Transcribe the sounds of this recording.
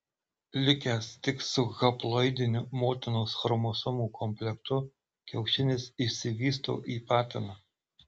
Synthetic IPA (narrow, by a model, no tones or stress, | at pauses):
lʲɪkʲæːst̪ʲɪksʊɣɐplˠɔɪd̪ʲɪnʲʊmoːt̪ʲɪnoːsxɔɾmosʊmuːkʰɔmʲpʲlʲɛkt̪ʊ | kʲɛʊʃʲɪnʲɪsɪʃsʲɪʋʲiːst̪o̰ːʔiːpɑːt̪ʲɪnɑ